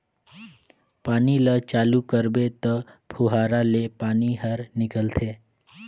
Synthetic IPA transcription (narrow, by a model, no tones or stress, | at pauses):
paːnilət͡ʃaːlukəɾbet̪əpʰuɦaːɾalepaːniɦəɾnɪkəlt̪ʰeː